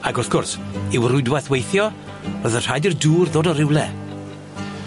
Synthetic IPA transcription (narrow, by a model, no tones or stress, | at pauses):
aɡʊθɡ̥ʊrsɪwrʊɨdwajθwejθjɔ | bəðənr̥ajdirduːrðoːdɔɾɪwlˠɛ